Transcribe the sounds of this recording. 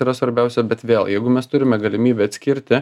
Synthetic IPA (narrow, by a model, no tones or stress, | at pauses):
iːɾɐsʋɐɾʲbʲɛˑʊsʲɛbʲɛt̪ʋʲeːlˠjɛɪɡʊmʲɛst̪ʊɾʲɪmʲɛɡɐlʲɪmʲiːbʲɛɐt̪sʲkʲɪɾʲt̪ʲɪ